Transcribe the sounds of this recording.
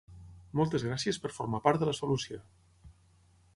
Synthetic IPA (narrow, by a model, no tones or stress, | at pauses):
mɔlˠt̪əzɣɾasiəspəɾfoɾmapaɾt̪d̪ələsolusjo